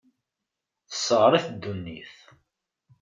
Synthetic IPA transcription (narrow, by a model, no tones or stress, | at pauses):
θə̥sːəʁɾˤiθd̪ːunːḭθ